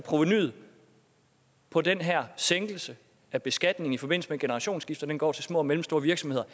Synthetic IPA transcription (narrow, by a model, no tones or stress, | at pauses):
pʰʁo̝ʋeny̰ð̩ˠ | pʰɒ̽denɦæɐ̰seŋɡ̥l̩sə | æb̥e̝sɡ̥æd̥ne̝ŋ̩ifɒ̽b̥e̝n̰l̩səmeɡ̥enəʁɑ̈ɕo̝̰ːnsɡ̥ifd̥ɐd̥enɡ̥ɒ̰ːt͡sʰe̝lsmɔ̰̽ːɒmelm̩sd̥o̝ːɐʋiɐɡ̥sɒ̽mhe̝ð̰ˠɐ